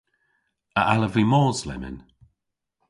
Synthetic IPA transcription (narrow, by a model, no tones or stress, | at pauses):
əʔaləvimɔːzlɛ̰mɪ̰n